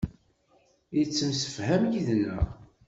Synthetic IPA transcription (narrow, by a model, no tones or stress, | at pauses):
jət͡sːəmsə̥fhæmjiðnːæ̰